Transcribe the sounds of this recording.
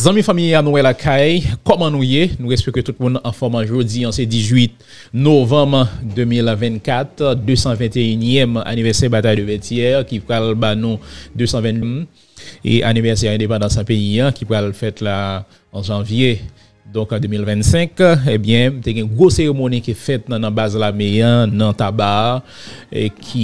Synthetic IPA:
zãmĩfamijanũwɛlakʰajkɔmɑ̃nũjenũʁɛspɛket̪ut̪̚mũnɑ̃fɔmãʒød͡ziãsɛdizɥit̪ | novɑ̃bʁd̪ømilvɛ̃nkat̪d̪øsɑ̃vɛ̃t̪eynjɛma̰nivɛʁsɛʁbat̪ajd̪øvɛtjɛʁkipʁalbanũd̪øsɑ̃vɛ̃nm | ḛʔa̰nivɛʁsɛʁɛ̃d̪epɑ̃d̪ɑ̃sãpejiãkipʁalfɛt̪la | ɑ̃ʒɑ̃vje | d̪ɔ̃kd̪ømilvɛ̃nsɛ̃kẽbjɛ̃mt̪eɡɛ̃ɡʁoseʁemonikefɛt̪̚ñnɐ̃bazlameãnɐ̃t̪aba | ekʰi

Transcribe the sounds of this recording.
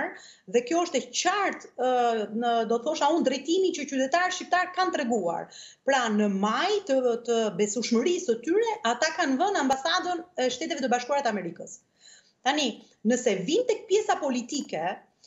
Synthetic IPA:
ɾ | ðɛkjɔəʃt̪ɛt͡ɕaɾt̪ | d̪ɔt̪θɔʃaund̪ɾɛt̪imit͡ɕət͡ɕyt̪ɛt̪aɾʃcip̚t̪aɾkant̪ɾɛɡua̰ɾ | pɾanəmajt̪ət̪əbɛsuʃməɾisət̪yɾɛʔat̪akanvənambasad̪ənɛʃt̪ɛt̪ɛvɛt̪əbaʃkuaɾat̪əamɛɾikəs | t̪ani | nəsɛvint̪ɛk̚pjɛsapɔlit̪ikɛ

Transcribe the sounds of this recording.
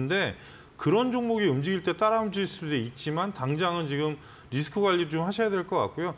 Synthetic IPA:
nde̞ | kɯɾʌnd͡ʑoŋmoɡiɯmd͡ʑiɡiɭt͈e̞t͈aɾaɯmd͡ʑuis͈ɯdeit̚t͡ɕ͈imantaŋd͡ʑaŋɯnt͡ɕiɡɯm | ɾis̬ʰɯ̥kʰɯɡwaʎːiɾɯt͡ɕomhaɕʰʌjadwe̞ɭk͈ʌk͈a̰k̚k͈ujo

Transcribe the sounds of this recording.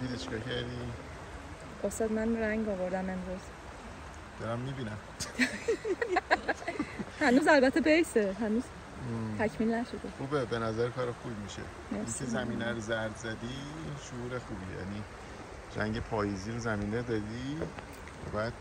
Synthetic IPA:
d̪̥iːd̪it͡ʃʰe̥kɒːcʰæɾd̪i | ost̪ɒːd̪mænɾæŋɡɒvoɾd̪æme̞mɾuz̥ | d̪̥ɒɾæmːibiːnæm | hænuːzælbæt̪ʰːebejseɦænuːz̥ʰ | æcʰmiːlnæʃod̪exuːbebenæzæɾkʰɒːɾexubmiʃḛ | neiŋcʰezæmiːnæɾozæɾd̪zæd̪iinʃouːɾexuːbiːejæ̰ni | ɾæ̰ŋɟepʰɒːjiziːɾozæmiːned̪ɒd̪i | væ̰bæːd̪̥̚

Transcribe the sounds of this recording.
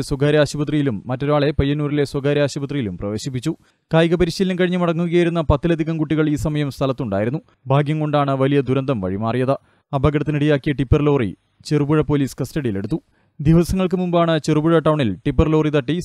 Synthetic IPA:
swɐɡaːɾɐaːɕubɐt̪rijilumːɐtːo̞ɾaːɭe̞pɐjːɐnuːɾile̞swɐɡaːɾɐaːɕubɐt̪rijilumprɐʋe̞ːɕip̬ːit͡ɕːu | kaːjɣɐpɐɾiɕilːɐmkɐɻiɲːɐmɐɽɐŋːuɣɐjaːjiɾunːɐpɐt̪ːilɐd̪ʱiɣɐmkuʈːiɣɐɭiːsɐmɐjɐmst̪ʰɐlɐt̪ːuɳɖaːjiɾunːu | bʱaːɡjɐmko̞ɳɖaːɳɨʋɐlijɐd̪ʱuɾɐnd̪ɐmʋɐ̰ɻimaːrijɐðɨ | ɐbʱɐɡɐɽɐt̪ːiniɽijaːkːijɐʈipːɐrlo̞ːrḭ | t͡ɕerubuɻɐpoːliːskɐstɐɽijile̞̰ɽut̪ːu | d̪iʋɐsɐŋːɐɭk̬ɨmumbaːɳɨt͡ɕerubuɻɐʈːɐwɳilʈipːɐrloːrit̪ɐʈːi

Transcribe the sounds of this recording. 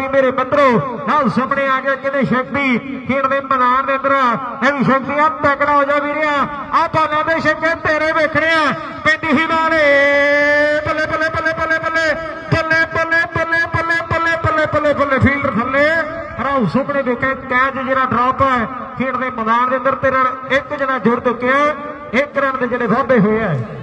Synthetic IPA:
iːmeːɾeːmɪt̪ɾoːnaːusʊpɽeːaːɡaːkɪneːʃək̚d̪iːkeːɳd̪eːməzaːɾd̪eːə̃nd̪əɾãːeːd̪iːʃək̚d̪iːaːpɛːkɽaːɦoːd͡ʒaːbiːɾɪaː | aːpaːnãːd̪eːʃək̪̚eːt̪eːɾeːbeːkʰɽeːãː | pẽːnd̪iːɦiːnaːl | pəlːeːpəlːeːpəlːeːpəlːeːpəlːeː | pəlːeːpəleːpəleːpəleːpəleːpəleːpəlːeːpəlːeːpʰiːlɖəɾk̪ʰəlːeː | pəɾaːusʊkɽeːbeːkʰeːkɛːd͡ʒd͡ʒeːɾaːɖɾɔːpɛɛ | piːd̪eːməzaːɾd̪eːə̃nd̪əɾt̪eːɾaːɪkd͡ʒeːɽaːd͡ʒʊɾd̪əkːeaː | ɪkːɾəːnd̪eːd͡ʒeːɽeːt̪aːbeːɦoːeaːɛː

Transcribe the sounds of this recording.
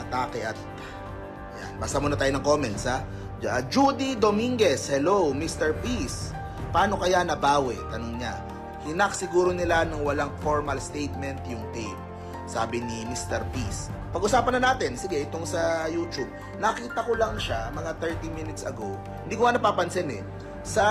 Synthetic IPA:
ʔɐt̪aːkɛʔɐt̪̚ | ʔɐja̰nbaːsɐmonɐt̪aːjonɐŋko̞mɛnt̪sha | ad͡ʒud̪id̪omiŋɡɛshɛlowmist̪ɛɹpis | paːno̞kɐjanɐbaːwɛt̪ɐnoŋɲa | hɪnɐk̚sɪɡuːɾo̞nɪlanɐŋwɐlaŋfoɹmɐlst̪ejt̪̚mɛnt̪jʊŋt̪ip̚ | sa̰ːbɪnimist̪ɛɾpis | pɐɡ̚ʔʊsaːpɐnːɐnaːt̪ɪnsɪɡɛʔɪt̪o̞ŋsɐjuːt͡ʃub̚ | nɐkiːt̪ɐkolɐŋʃamɐŋat̪ɛɹt̪iminɪt̪sɐ̰ɡo | hɪnd̪iːkʊŋanɐpaːpɐnsɛnɛ̰ | sɐ

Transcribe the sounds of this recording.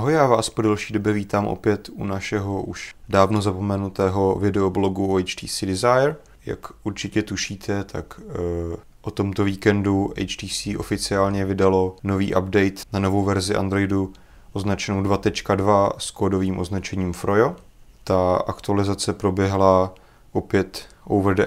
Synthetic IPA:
aɦojaːvaːspo̞dɛlʃiːdo̞bjɛviːt̪aːmʔo̰pjɛt̪ṵnaʃɛɦo̞ʔuʃdaːvno̞zapo̞mɛnut̪ɛːɦo̞vɪdɛoblo̞ɡuoɛjt͡ʃt̪iːsidɪzajɾ | ja̰kuɾt͡ʃɪcɛt̪uʃiːt̪ʰɛt̪ʰak | ʔot̪o̞mt̪o̞viːkɛnduʔɛ̰jt͡ʃt̪iːsiːʔo̞fɪt͡sɪaːlɲɛvɪdalo̞no̞vḭːʔabdɛjt̪nano̞vo̞wvɛɾzɪʔa̰nd̪ɾo̞jdu | ʔoznat͡ʃɛnowdvat̪ɛt͡ʃkadvaskoːdo̞viːmʔo̞znat͡ʃɛɲiːmfɾojo | t̪aakt̪ualɪzat͡sɛpɾo̞bjɛɦla | ʔo̞pjɛt̪ʔowvɾdɛ

